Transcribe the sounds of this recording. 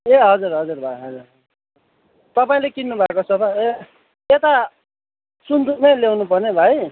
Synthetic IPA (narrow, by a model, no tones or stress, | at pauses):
eɦʌd͡zurɦʌd͡zurbʱajɦʌd͡zur | t̪ʌpaĩlekinːubʱakosʰʌpae | et̪a | sund̪unelewnupʌrnebʱaj